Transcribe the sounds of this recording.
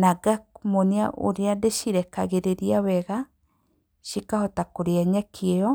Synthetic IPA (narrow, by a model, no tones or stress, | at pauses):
naɡak̚monea̰ʔo̰ɾeadeʃiɾɛkaɣeɾeɾiawɛɣa | ʃikahɔtakoɾeɛɲɛkʰeɛɔ